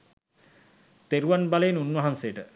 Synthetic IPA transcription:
t̪eɾuanbaleːnunʋɐɦansejəʈə

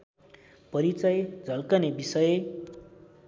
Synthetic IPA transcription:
pʌɾit͡sʌjd͡zʱʌlkʌnebisʌje

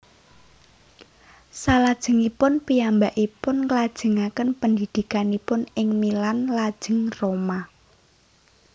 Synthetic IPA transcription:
salad̥ʒ̥ə̤ŋipʊnpiambaʔipʊnklad̥ʒ̥ə̤ŋakənpəndid̥i̤kanipʊnɪŋmilanlad̥ʒ̥ə̤ŋroma

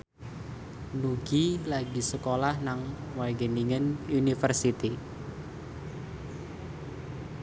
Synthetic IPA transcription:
nuɡilaɡisəkolahnaŋwaɡəniŋənunifərsit̪i

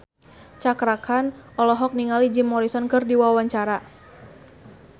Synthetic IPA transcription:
t͡ʃakɾakʰanʔɔlɔɦɔk̚niŋalid͡ʒɪmːɔɾisɔnkɨrdiwawaɲt͡ʃaɾa

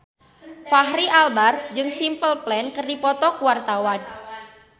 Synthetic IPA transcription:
faɦɾiʔalbard͡ʒɨŋsimpəlplɛnkɨrdipɔt̪ɔkuwart̪awan

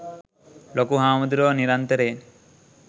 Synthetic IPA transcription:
lokuɦaːmud̪uɾoːniɾant̪əɾen

